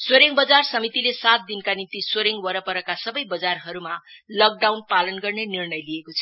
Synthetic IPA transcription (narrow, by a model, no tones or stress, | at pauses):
swoɾeŋbʌd͡zarsʌmit̪ilesat̪̚d̪inkanint̪isoɾeŋwʌɾʌpʌɾʌkasʌbʌjbʌd͡zarɦʌɾumalʌk̚ɖawnpalʌnɡʌrnenirnʌjlijekot͡sʰʌ